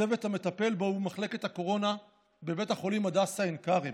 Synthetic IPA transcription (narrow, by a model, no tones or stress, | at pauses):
eve̞t̪hame̞t̪ape̞lboumaχle̞ke̞t̪hako̞ʁo̞na | be̞be̞thaχo̞limad̪asaenkaʁi